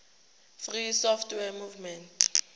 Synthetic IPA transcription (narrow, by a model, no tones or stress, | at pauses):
frisɔftʰwɛmuvmɛntʰʼ